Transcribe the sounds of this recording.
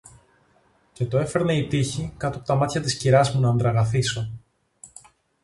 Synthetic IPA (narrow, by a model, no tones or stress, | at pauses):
ce̞t̪o̞e̞fe̞ɾne̞it̪içikɐt̪opot̪ɐmɐt̪çɐt̪isciɾɐzmunɐːnd̪ɾɐɣɐθiso̞